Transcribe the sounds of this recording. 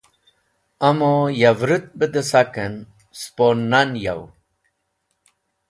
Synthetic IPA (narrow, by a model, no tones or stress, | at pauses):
ɐmojavɾɨt̪̚bəd̪əsakən | sponːanja̰w